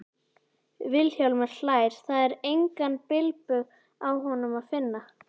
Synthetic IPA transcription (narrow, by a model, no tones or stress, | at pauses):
vɪlçjawlmɛɾ̥laːjɾ̥θaðɛɾejŋkanpɪlpʏɣ | awɦɔnʏmaðfɪnːa